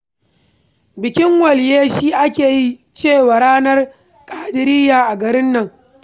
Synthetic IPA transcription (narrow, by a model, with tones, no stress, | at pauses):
bɪ˨kʲɪ˦ŋwɐ˨ljeː˦ʃiː˦ʔa˦kʲeː˨ji˦ | t͡ʃeː˦˨waː˨ɽaː˦nɐ˦r | kʼaː˦dɪ˨ɾiː˦jaː˨ʔa˨ɡɐ˨ɾɪ˦nːɐ˨ŋ